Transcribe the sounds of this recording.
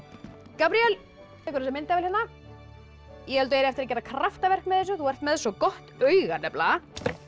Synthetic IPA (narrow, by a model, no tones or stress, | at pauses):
kapɾiɛl | ɛhkvʏɾsɛmːɪnt̪avɛlhjanːa | jɛhɛlt̪ʏejɾɪɛft̪ɪɾacɛːɾakʰɾaft̪avɛr̥kmɛðɛs̬ʏθuvɛr̥t̪mɛðsɔkɔht̪œːɥɣanɛpla